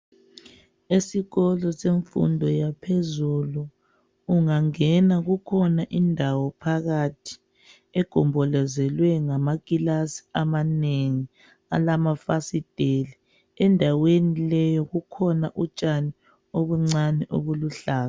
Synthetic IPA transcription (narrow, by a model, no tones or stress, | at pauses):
esiɣɔlɔseɱfṵndʱɔjapʰezulu | uŋaŋɛnaɣukʰɔnaʔindʱawɔpʰaɣatʰi̥ | ɛɡ̥ʱɔmbʱɔlɛzɛlwɛŋamakilasi̥amaneŋi | a̰lamafasid̥ʱeli | ɛndʱawenilɛjɔɣukʰɔnaʔut͡ʃʼani | oβuŋ͡ǀanɛʔoβuluɬaːla